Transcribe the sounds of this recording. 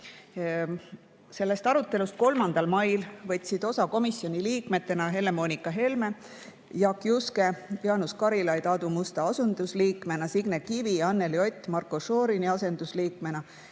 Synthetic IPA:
se̞lːe̞st̪ɑɾut̪ːˑe̞lust̪̚ko̞lmɑnd̪̥ɑlmɑjlvɤt̪ʲːˑsid̪̥o̞sɑko̞misːjo̞nʲiliːkme̞t̪ːe̞nɑɦe̞le̞mo̞nʲikːˑɑɦe̞lme̞ | jɑkˑjuske̞pjɑnuskɑɾilɑjd̪ɑd̪umust̪ɑɑsund̪usliːkme̞nɑsiɡnekiviɑnːe̞lio̞t̪ʲːˑmɑrkːˑoʃo̞ːɾiniɑse̞nd̪̥usliːkme̞nɑ

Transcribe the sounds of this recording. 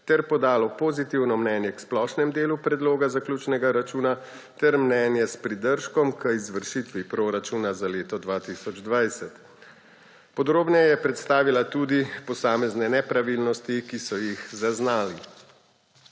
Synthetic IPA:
t̪ɛɾpɔd̪aːlɔpozit̪iwnɔmnɛːnjɛksplɔʃnɛmd̪eːlupɾɛd̪loːɡazaklʲuːt͡ʃnɛɡaɾat͡ʃuːna | t̪ɛɾmnɛːnjɛspɾid̪əɾʃkɔmkəizʋəɾʃit̪ʋipɾoɾat͡ʃuːnazaleːt̪ɔd̪ʋaːt̪isɔd͡ʒd̪ʋajsɛt̪ | pɔd̪ɾoːbnɛjɛpɾɛt̪st̪aːʋilat̪uːd̪ipɔsaːmɛznɛnɛpɾaʋilnɔst̪ikisɔjixzaznaːli

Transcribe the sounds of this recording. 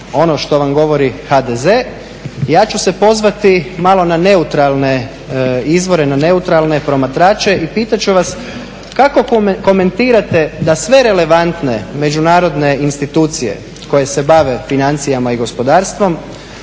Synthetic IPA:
o̞no̞ʃt̪o̞ʋamɡo̞ʋo̞ɾixad̪eze | jaːt͡ʃuse̞po̞zʋat̪imalo̞nane̞ut̪ɾalˠne̞ | izʋo̞ɾenane̞ut̪ɾalˠne̞pɾo̞mat̪ɾaːt͡ʃeʔipiːt̪at͡ʃuʋas | kako̞ko̞me̞nt̪iːɾat̪e̞d̪asʋe̞ɾe̞le̞ʋant̪ne̞me̞d͡ʒunaːɾo̞d̪ne̞inst̪it̪uːt̪sije̞̰ | ko̞je̞se̞baʋe̞finant̪sijamaiɡo̞spo̞d̪aːɾst̪ʋo̞m

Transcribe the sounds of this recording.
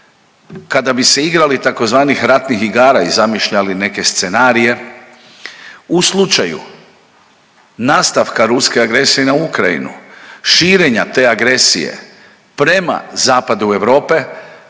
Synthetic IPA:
kad̪abise̞iɡɾalit̪ako̞zʋaːnixɾat̪nixiɡaːɾaizamiʃʎaline̞ke̞st̪se̞naːɾije̞ | uslˠut͡ʃajṵ | naːst̪aʋkaɾuskeaɡɾe̞sijenaukɾaḭnṵʃiːɾe̞ɲat̪e̞ːaɡɾe̞sḭjḛ | pɾe̞ma̰zaːpad̪ue̞ʋɾo̞ːpe̞

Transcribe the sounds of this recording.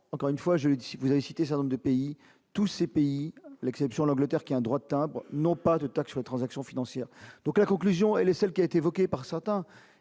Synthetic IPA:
ɑ̃kɔʁynfwaʒələd̪iivuzavesit̪esɛt̪ɛnɔ̃ʁd̪əpei | t̪usepeilɛksɛpsjɔ̃lɑ̃ɡlət̪ɛʁkʲiaɛ̃d̪ʁwad̪ət̪ɛ̃bʁnɔ̃pad̪ət̪aksyʁlet̪χɑ̃zaksjɔ̃finɑ̃sjɛːʁd̪̥ɔ̃klakɔ̃klyzjɔ̃ɛlɛsɛlkʲiaet̪evɔkʲepaʁsɛʁt̪ɛ̃

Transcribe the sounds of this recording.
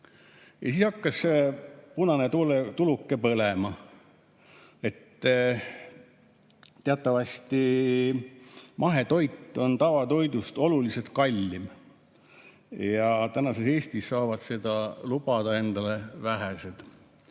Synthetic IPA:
jɑ̰siːshɑkːɑs | punɑnet̪ulet̪ulukːˑe̞pɤlemɑ | e̞t̪ː | t̪ːeɑt̪ːˑɑvɑsʲt̪i | mʔɑɦe̞t̪o̞jt̪ːˑo̞nt̪ɑvɑt̪o̞jd̪ust̪o̞luliset̪kɑlʲːim | jɑt̪ænɑse̞se̞ːst̪isːɑːvɑd̪se̞d̪̥ɑlub̥ɑd̪̥ɑe̞nd̪̥ɑle̞væɦesed̪̥

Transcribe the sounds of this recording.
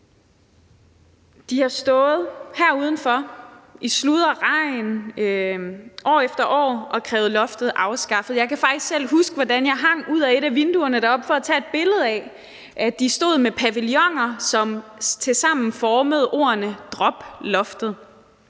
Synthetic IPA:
d̥ihɑ̈sd̥ɔ̽ːð̩ˠhæɐuːð̞ˠn̩fɒ̽ʔislud̥ˠɐʁɑ̈ɪn | ʔɒ̰ːefd̥ɐʔɒ̰ːʔɒ̽kʰʁɛːʊð̩ˠlɒ̽fd̥ð̩ˠʔɑ̈ʊsɡ̥ɑ̈fð̩ˠjɑ̈ɪkʰæfɑ̈ɡ̥d̥isɡ̥sel̰ɦusɡ̥əʋɒdænjɑ̈ɪɦɑ̈ŋ̰uð̰ˠæe̝ɾæʋe̝nd̥uɐnəɾ̥ɑ̈ɒ̽b̥fɒ̽æt͡sʰɛ̰ːe̝d̥̚b̥e̝ləð̞̩ˠɛ | ʔæd̥isd̥o̝̰ːð̞̰ˠmepʰæʋiljɒ̽ŋ̰ɐsɒ̽mt͡sʰe̝sɑ̈m̰n̩fɒːməð̞ˠo̝̰ːɐnəd̥ʁɒ̽b̥lɒ̽fd̥ð̩ˠ

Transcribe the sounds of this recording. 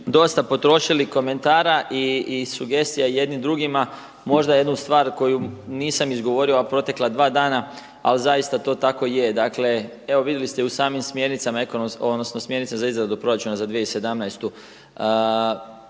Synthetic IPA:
d̪o̞st̪apo̞t̪ɾo̞ʃiliko̞me̞nt̪aːɾaʔiːsuɡe̞st̪ijaije̞d̪nimd̪ɾuɡima | mo̞ʒd̪aje̞d̪nust̪ʋaːɾko̞juniːsamizɡo̞ʋo̞ɾioapɾo̞t̪e̞klad̪ʋaːd̪aːna | alizajist̪at̪o̞ːt̪ako̞je̞d̪akle̞ | eʋoʋid̪jelist̪eusaːmimsmje̞ɾnit̪samaekonomonosno̞smje̞ɾnitsazaizɾad̪upɾo̞ɾat͡ʃunazad̪ʋijeise̞d̪amnajst̪u

